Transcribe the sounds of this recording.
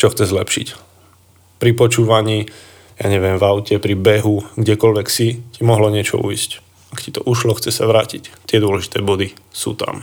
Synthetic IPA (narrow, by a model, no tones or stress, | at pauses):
t͡ʃɔxt͡sɛzlɛpʃḭc | pɾipɔt͡ʃuːʋaɲiː | ja̰ːɲɛʋɪɛmvaʊcɛpɾibɛɦuɡɟɛkɔlʋɛksicimɔɦlɔɲɪɛt͡ʃɔ̰ṵjsc | akci̥t̪ɔʔuʃlɔxt͡sɛsaʋɾaːcict̪ɪɛd̪ʊɔlɛʒi̥t̪ɛːbɔd̪isṵːt̪a̰m